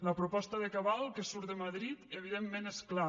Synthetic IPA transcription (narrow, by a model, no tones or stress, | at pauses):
ləpɾupɔst̪əðəkaβalˠkəsuɾt̪əmaðɾit̪əβiðemːeneskla